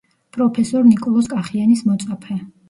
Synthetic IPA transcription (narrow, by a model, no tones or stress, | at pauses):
pʼɾɔpʰɛsɔɾnikʼɔlˠɔskʼaχianismɔt̪sʼapʰɛ